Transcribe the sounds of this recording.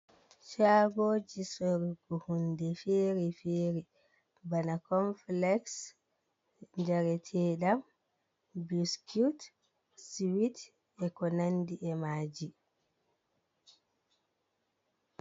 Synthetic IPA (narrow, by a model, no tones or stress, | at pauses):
t͡ʃaːɡoːd͡ʒisoɾiɡɔhundɛfeːɾifeːɾi | banakɔnflɛks | ɲd͡ʒaɾɛtʰɛːɗam | buskʰut | siwit | ɛkɔnandiʔɛmaːd͡ʒi